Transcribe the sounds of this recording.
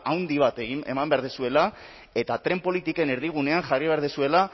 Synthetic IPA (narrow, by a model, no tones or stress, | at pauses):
awnd̪iβ̞at̪eɣe̞̰mambe̞aɾðesue̞la | e̞t̪at̪ɾe̞mpo̞lit̪ike̞ne̞ɾðiɣ̞une̞anʝariβ̞e̞aɾðesue̞la